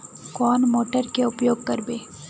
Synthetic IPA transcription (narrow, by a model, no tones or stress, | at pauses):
kɔːnmoːʈəɾkeʊpjoːɡ̚kɐɾbeː